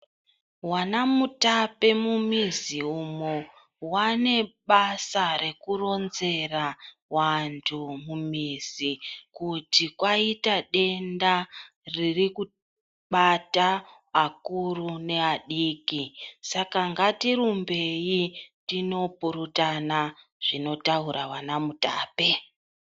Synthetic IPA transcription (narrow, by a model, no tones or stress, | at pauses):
wanamutape̞mumiziumo | wane̞ɓasaɾe̞kuro̞nze̞ra | wantʰumumizikutikwaitaɗe̞nda | ririku | ɓata | akurune̞aɗiːkisakaŋɡatirumbe̞jitino̞puɾutana | ʐ̥ino̞tauɾawanamuta̰ːpe̞